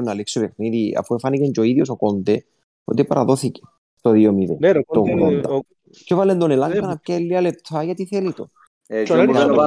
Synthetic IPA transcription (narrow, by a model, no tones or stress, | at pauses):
naleksuβexniðia̰fuefanikend͡ʒoiðjos̬okond̪e | o̰t̪epa̰ɾa̰ðoθike̥ | t̪oðiomiðḛt̪oɣulond̪a | kʰovalːend̪onelaŋkanap̚kalːialet̪ʰajat̪iθelit̪o | a